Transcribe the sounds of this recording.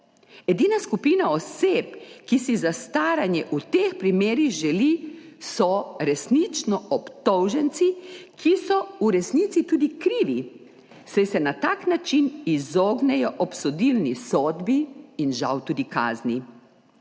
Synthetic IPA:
ɛd̪iːnaskupiːnaɔsepkisizast̪aːɾanjɛʔut̪expɾimeːɾiɣʒɛlisɔɾɛsnit͡ʃnɔɔpt̪ɔwʒɛnt̪sikʰisɔuɾɛsnit̪sit̪uːd̪ikɾiːʋi | sɛsɛnat̪aːknat͡ʃinizɔːɡnɛjɔʔɔpsɔd̪ilnisɔːd̪biinʒawt̪uːd̪ika̰ːzni

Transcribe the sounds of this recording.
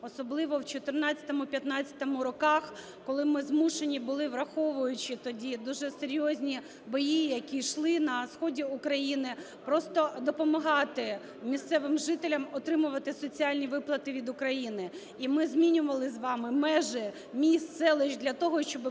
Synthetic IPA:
ɔsɔblˠɪʋɔwt͡ʃɔt̪ɪrnɑt͡st͡sʲɐ̥t̪ɔmʊpʲjɐt̪nɑt͡sʲːɐ̥t̪ɔmʊɾɔkɑx | kɔlˠɪmɪzmuʃenʲibʊlˠɪʋrɐxɔʋʊjʊt͡ʃɪt̪ɔdʲid̪uʒɛseɾʲjɔzʲnʲi | bɔjijɐkʲiʃlˠɪnɐsxɔdʲiukɾɐjinɪ | pɾɔst̪ɔd̪ɔpɔmɐɦɑt̪ɪ | mʲist̪sɛʋɪmʒɪt̪elʲɐmɔt̪ɾɪmʊʋɐt̪ɪsɔt͡sʲiɑlʲnʲiʋɪplˠɐt̪ɪʋʲid̪ʊkɾɐjinɪ | imɪzmʲinʲʊʋɐlˠɪzʋɑmɪmɛʒɛ | mʲist̪sɛlˠɛʒd̪lʲɐt̪ɔɦɔʃt͡ʃɔb

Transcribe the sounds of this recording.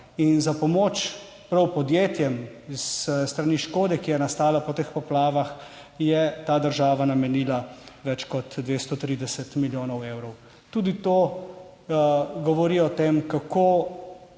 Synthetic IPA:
inzapɔmoːt͡ʃ | pɾɐwpɔd̪jeːt̪jɛmisst̪ɾaniːʃkoːd̪ɛkijɛnast̪aːlapɔt̪expɔplaːʋax | jɛt̪aːd̪əɾʒaːʋanamɛniːlaʋɛt͡ʃkɔt̪d̪ʋeːst̪ɔt̪ɾiːd̪ɛsɛt̪miljoːnɔweːwɾɔw | t̪uːd̪it̪oː | ɡɔʋɔɾiːɔt̪eːmkakoː

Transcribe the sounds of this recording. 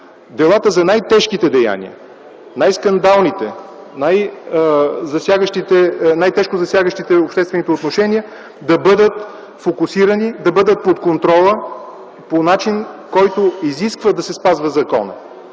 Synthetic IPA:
d̪ɛlˠat̪əzɐnajt̪ɛʃkit̪ɛd̪ɛja̰nḭə̰ | najskɐnd̪alˠnit̪ɛ | naj | zɐsjaɡəʃt̪it̪ɛnajt̪ɛʃkozɐsjaɡəʃt̪it̪ɛopʃt̪ɛst̪vɛnit̪ot̪noʃɛnʲiə | d̪ɐbɤd̪ət̪ | fokusiɾənid̪ɐbɤd̪ət̪̚pot̪kont̪ɾɔlˠə | ponat͡ʃinkɔjt̪oiziskvəd̪ɐsɛspazvɐzɐkɔ̰nə̰

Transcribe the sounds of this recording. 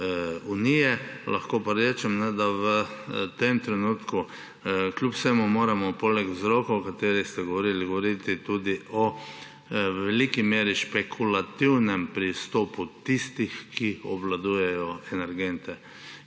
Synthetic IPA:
unijɛla̰xkoːpaɾeːt͡ʃɛmnɛd̪aʋət̪emt̪ɾɛnuːt̪ku | klʲupwsemumoːɾamɔpoːlɛkwzɾɔːkɐɔkat̪eːɾixst̪ɛɡɔʋɔɾiːliɡɔʋɔɾit̪it̪ud̪iʔɔ | ʋɛliːkimjeːɾiʃpɛkʰulat̪iwnɛmpɾist̪oːput̪ist̪ixkiɔ̰blad̪uːjɛjɔɛnɛɾɡent̪ɛ

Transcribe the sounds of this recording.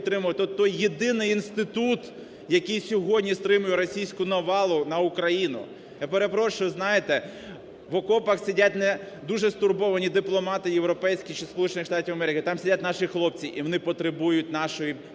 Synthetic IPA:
t̪ɾɪmʊʋɐt̪ɔt̪ːɔjːed̪ɪnɪjinst̪ɪt̪ut̪ | jɐkɨjsʲɔɦɔdʲnʲist̪ɾɪmʊjɛɾɔsʲijsʲkʊnɐʋɑlˠʊnɐʊkɾɐjinʊ̰ | japeɾepɾɔʃʊjʊznɑjet̪ɛ | ʋɔkɔpɐxsʲɐdʲatʲnɛ | d̪uʒɛst̪ʊrbɔʋɐnʲid̪ɪplˠɔmɑt̪ɪjewɾɔpɛjsʲkʲit͡ʃispɔlˠut͡ʃenɪxʃt̪ɑtʲiwɐmɛɾʲɪkɪt̪ɑmsʲɪdʲat̚ʲnɑʃixlˠɔp̚t͡sʲiʔiʋɔnɪpɔt̪ɾebujʊtʲnɑʃɔji

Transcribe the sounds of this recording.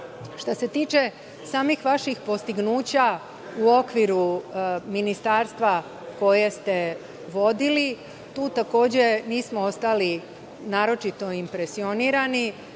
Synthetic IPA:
ʃt̪ose̞t̪iːt͡ʃe̞ | saːmixʋaʃixpo̞st̪iɡnuːt͡ɕa | uo̞kʋiɾuminist̪aːɾst̪ʋa | ko̞je̞st̪e̞ | ʋo̞d̪ili | t̪uːt̪ako̞ːd͡ʑe̞niːsmoost̪ali | naːɾo̞t͡ʃit̪o̞impɾe̞sio̞niːɾani

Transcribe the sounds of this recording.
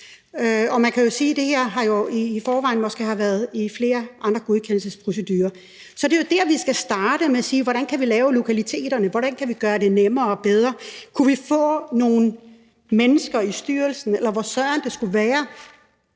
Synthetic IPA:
ɒ̽mænkʰæjo̝siːd̥e̝heɐ̰ɦɑ̈jo̝iːfɒːʋɑ̈ɪ̰nmɒ̽sɡ̥ehɑʋæɐð̩ˠifle̝ːɐʔɑ̈nd̥ʁɐɡ̥o̝ð̞ˠkʰenl̩səspʰʁo̝s̬ed̥yːɐ | sɒ̽d̥e̝jo̝d̥æɐʋisɡ̥æsd̥ɑ̈ːɾ̥əmeæsiːʋɒɾænkʰæʋilɛːʊlo̝kʰælit͡sʰe̝̰ːd̥ɐnəʋɒɾ̥ænkʰæʋiɡ̥ɶːɐde̝nemɐːɒb̥eð̞ˠʁɐkʰuʋifɔ̰̽ːno̝ːn̩ | menəsɡ̥ɐisd̥yːɐlsn̩elɐʋɒsɶɐɐnd̥e̝sɡ̥uʋæːɐ

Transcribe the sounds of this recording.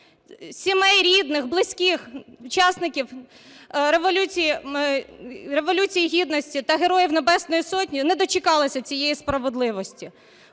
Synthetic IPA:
sʲimɛjɾʲid̪nɪxblˠɪsʲkʲixut͡ʃɑsnɪkʲiw | ɾeʋɔlʲut͡sʲiji | ɾe̞ʋɔlʲut͡sʲijiɦʲid̪nɔsʲtʲit̪ɐɦeɾɔjiwnebɛsnɔjisɔtʲnʲinɛd̪ɔt͡ʃɪkɑlˠɪsʲɐt͡sʲijejispɾɐʋed̪lˠɪʋɔsʲtʲi

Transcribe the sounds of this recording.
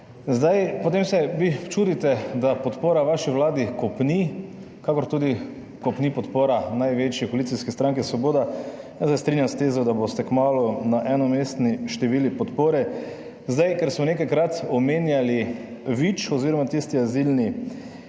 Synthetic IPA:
zd̪ajpɔt̪emsɛʋit͡ʃuːd̪it̪ɛd̪apɔt̪poːɾaʋaʃiʋlaːd̪ikɔpni | kakɔɾt̪uːd̪i | kɔpnipɔt̪poːɾanajʋet͡ʃjɛkoalit̪siskɛst̪ɾaŋkɛsʋɔboːd̪a | nasɛst̪ɾinjamst̪ezɔd̪abost̪ɛkmaːlunaʔɛnɔmest̪niʃt̪ɛʋiːlipɔt̪poːɾɛ | zd̪ajkɛɾsmɔnekajkɾat̪ɔmeːnjali | ʋit͡ʃɔziːɾɔmat̪ist̪iazilni

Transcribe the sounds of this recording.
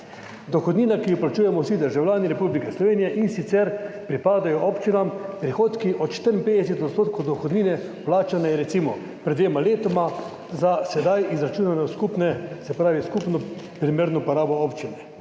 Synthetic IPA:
d̪ɔxɔd̪niːnakiiplat͡ʃuːjɛmɔwsid̪əɾʒawlʲaːniɾɛpublikɛslɔʋeːnijɛʔinsit̪sɛɾpɾipaːd̪ajɔʔɔːpt͡ʃinampɾixoːt̪kiʔɔt̪ʃt̪əɾimpeːd̪ɛsɛt̪ɔt̪st̪oːt̪̚kɔwd̪ɔxɔd̪niːnɛ | plaːt͡ʃanɛɾɛsimɔ | pɾɛd̪ʋeːmaleːt̪ɔma | zasɛd̪ajizɾat͡ʃuːnanɛskupnɛsɛpɾaːʋiskupnɔ | pɾimeːɾnɔpɔɾaːbɔopt͡ʃinɛ

